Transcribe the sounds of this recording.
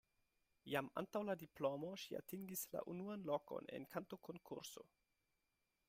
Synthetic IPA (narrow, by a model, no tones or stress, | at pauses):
jama̰ntawladiplomoʃia̰tiŋɡisla̰ʔunuanloko̰nḛnkʰantokʰonkʰṵɾso̰